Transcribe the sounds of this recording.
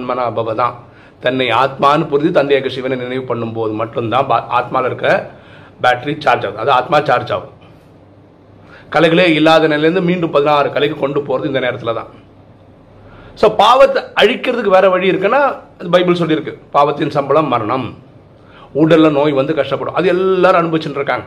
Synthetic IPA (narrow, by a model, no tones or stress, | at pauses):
nmɐnaːbʱɐʋɐt̪ã̰ː | t̪ɐnːɐɪaːt̪̚maːnɯpʊɾɪnit̪ɐnd̪jaːɣɐʂiʋɐnɐnɪnɐɪʋɯpɐɳːɯmpoːðɯmɐʈːɯmt̪ãːʔa̰ːt̪̚maːlɐɪɾɯkːɾɐbaːʈːɾit͡ʃaːɾd͡ʒaːʋt̪ãɐðɯaːt̪maːt͡ʃaːɾd͡ʒa̰ːʋɯ | kɐlɐɪɣɐɭeːɪlːaːðɐnɛlɐɐɾɯnd̪ɯmiːɳɖɯmpɐðɪnaːɾɯkɐlɐɪkːɯkɔɳɖɯpoːɾɐðɯɪnd̪ɐneːɾɐt̪ːɪlɐt̪ã̰ː | soːpaːʋɐt̪ːɐɻɪkːɪɾɐðɯkːɯʋeːɾɐʋɐɻiɪɾɯkːɐnːaːɐðɯbɐɪbɪls̬ɔlːiɪɾɯkːɯpaːʋɐt̪ːɪnsɐmbɐlɐmːɐɾɐɳɐm | uːɽɐɾɪlɐnoːjʋɐnd̪ɯkɐʂʈɐpːɐɽʊ̰̃ʔɐðɯɛlːaːɾɯ̃ɐnɯbɐʋɪt͡ʃːɪnːɾɯkːãːŋɡɐ